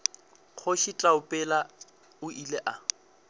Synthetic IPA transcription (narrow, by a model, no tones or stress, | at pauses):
k͡xʰʊʃɪt͡ɬʼaʊpʼɛla | ʊileʔa